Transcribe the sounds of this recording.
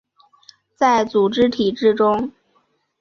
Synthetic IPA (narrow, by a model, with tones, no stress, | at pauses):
t͡sa˥˩ɪt͡su˨˩ʈ͡ʂɻ̩˥t̪ʰi˨˩ʈ͡ʂɻ̩˥˩ʈ͡ʂʊ˥ŋ